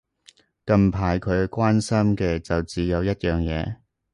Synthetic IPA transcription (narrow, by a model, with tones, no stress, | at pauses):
kɐ˧mpʰaː˨jkʰɵ˨˧ɥkʷaː˥nsɐ˥mkɛː˧t͡sɐ˨wt͡siː˨jɐ˨˧wjɐ˥t̚jœː˨˩ŋjɛː˨˧